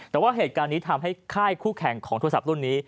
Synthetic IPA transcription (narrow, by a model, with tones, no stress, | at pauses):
t̪ɛː˨˩waː˥˩ɦeː˨˩t̪̚kaː˧nːiː˦˥t̪ʰa˧mɦa˥˩jkʰaː˥˩jkʰuː˥˩kʰɛ˨˩ŋkʰɔː˩˦ŋt̪ʰːsa˨˩p̚ɾu˥˩ənːiː˦˥